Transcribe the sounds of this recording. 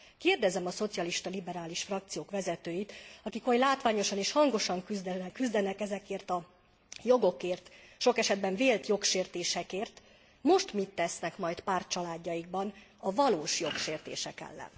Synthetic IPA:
keːrd̪ɛzɛmɒso̞t̪sijɒliʃt̪ɒlibɛɾaːliʃfrɒk̚t̪sijoːkʋɛzɛt̪øːjit̪ɒkikojlaːt̪ʋaːɲo̞ʃɒneːʃhɒŋɡo̞ʃɒŋkyzd̪kyzd̪ɛnɛkɛzɛkeːrt̪ɒ | jo̞ɡo̞keːrt̪ʃo̞kɛʃɛd̪̚bɛɱveːlt̪jo̞kʃeːrt̪eːʃɛkeːrt̪ | mo̞ʃt̪mit̪ːɛsnɛkmɒjt̪paːrt͡ʃɒlaːɟːɒjiɡ̚bɒnɒvɒloːʃjo̞kʃeːrt̪ḛːʃɛkɛ̰lːɛ̰n

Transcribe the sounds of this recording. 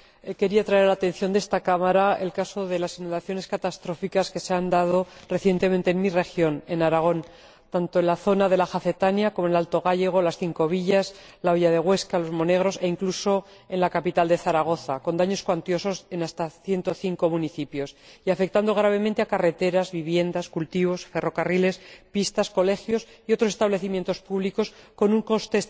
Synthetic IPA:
eke̞ɾiat̪ɾaealaːt̪ẽ̞n̟θjo̞nd̪e̞st̪akamaɾae̞̰lkaso̞ðe̞lasinũnd̪aθjo̞ne̞skat̪ast̪ɾo̞fikaske̞se̞and̪að̞o̞re̞θje̞nt̪e̞ment̪e̞ːnmire̞xjo̞ne̞naɾaɣ̞o̞n | t̪ant̪oenlaθo̞naðe̞laxaθe̞t̪anjako̞monlalt̪o̞ɣ̞aʎe̞ɣ̞o̞lasθiŋko̞βiʎas | laoʝaðe̞ɣwe̞skalo̞zmo̞ne̞ɣ̞ɾo̞se̞iŋkluso̞ | e̞nlakapit̪ald̪e̞θaɾaɣ̞o̞θako̞nd̪aɲo̞skwant̪jo̞so̞se̞nast̪aθje̞nt̪oθiŋko̞muniθipjo̞siafe̞k̚t̪and̪o̞ɣ̞ɾaβ̞e̞mẽnt̪eakare̞t̪e̞ɾazβiβje̞nd̪askult̪iβ̞o̞sfe̞ro̞karile̞spist̪asko̞le̞xjo̞sio̞t̪ɾos̬est̪aβle̞θimje̞nt̪o̞spuβliko̞sko̞nũŋko̞st̪e̞s

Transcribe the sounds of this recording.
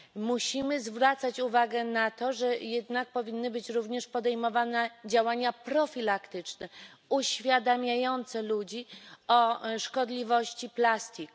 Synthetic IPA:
muɕimɘzvɾat̪sat͡ɕuvaɡɛnat̪ɔʐɛjɛd̪nak̚pɔvʲinːɘbɘt͡ɕɾuvɲɛʂpɔd̪ɛjmɔvanɛd͡ʑawaɲapɾɔfʲilakt̪ɘt͡ʂnɛuɕfʲjad̪amʲjajɔnt̪sɛlud͡ʑiɔʂkɔd̪lʲivɔɕt͡ɕiplast̪ʲik

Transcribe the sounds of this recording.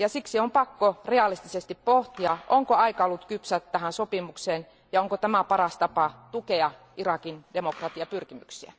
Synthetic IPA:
jɑsiksiompɑkːoreɑlist̪isest̪ippoht̪iɑʔoŋkoɑikɑolːut̪kypsæt̪t̪æhænsopimukseːn | jɑoŋkot̪æmæpɑrɑst̪ɑpɑt̪ukeɑ | irɑkindemokrɑt̪iɑpyrkimyksiæ̰

